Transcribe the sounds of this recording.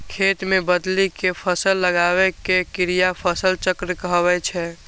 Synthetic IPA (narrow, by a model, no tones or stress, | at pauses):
kʰet̪mebəd̪likepʰəsəlːəɡaβɛkekiɾijapʰəsəlt͡ʃəkɾkəɦbɛt͡ʃʰɛ